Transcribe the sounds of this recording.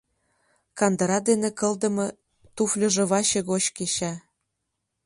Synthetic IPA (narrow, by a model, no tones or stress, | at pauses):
kɑnd̪ɤ̆ɾɑd̪enĕkɤ̆ld̪ɤ̆mɤ̆ | t̪uflʲɤ̆ʒĕβɑɕĕɣot͡ɕkeɕæ